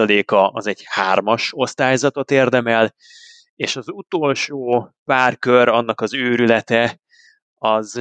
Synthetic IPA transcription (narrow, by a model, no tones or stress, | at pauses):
ɒleːkɒɒzɛɟhaːrmɒʃo̞st̪aːjzɒt̪o̞t̪eːrd̪ɛmɛl | eːʃɒzut̪o̞ːlʃoːpaːrkøɾɒnːɒkɒzøːɾylɛt̪ɛ | ɒz